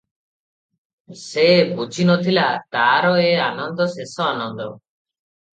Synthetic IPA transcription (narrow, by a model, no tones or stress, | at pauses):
sebut͡ʃʰinɔt̪ʰilat̪aɾɔeanɔnd̪ɔsesɔanɔnd̪ɔ̰